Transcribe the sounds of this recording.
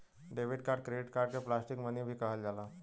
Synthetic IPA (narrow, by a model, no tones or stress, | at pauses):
ɖeːʋɪɖkaːɾɖ̚kɾeɖɪʈkaːɾɖkeplaːsʈɪkmənibʱikɐɦəld͡ʒaːlaː